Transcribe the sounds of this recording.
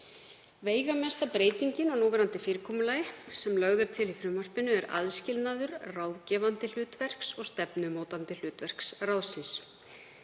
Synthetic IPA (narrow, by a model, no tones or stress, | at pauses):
veːjɣamɛst̪apɾeːjt̪iɲcɪnɔɣnuːvɛːɾant̪ɪfɪːɾɪkʰɔːmʏlajɪsɛmlœɣðʏɾ̥t̪ʰɪlifɾʏmːœr̥pɪnʏɛɾa̰ðscɪlnaðʏɾrawðcɛːvant̪ɪl̥ʏːt̪vɛr̥ksɔɣst̪ɛpnʏmoːwt̪ant̪ɪl̥ʏːt̪vɛr̥ksrawðsɪns